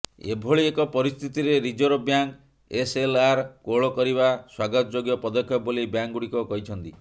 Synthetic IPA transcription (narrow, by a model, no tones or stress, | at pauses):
ḛbʱoɭiekɔpɔɾist̪ʰit̪iɾeɾid͡ʒɔɾɔbjaŋk | eselaɾkoɭɔkɔɾibaswaɡɔt̪ɔd͡ʒoɡjɔpɔd̪ɔkʰjɔbolibjaŋɡuɽikɔkɔɦit͡ʃʰɔnt̪i